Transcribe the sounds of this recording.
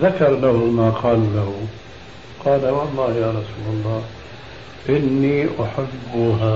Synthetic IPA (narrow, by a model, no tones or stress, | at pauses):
ðakɑɾˤlahʊmaːqʰɑːllahʊ | qɑːlawɑlˤːɑːhjaːɾˤɑsuːlɑlˤːɑː | ʔɪnːiːʔaħabːʊɦa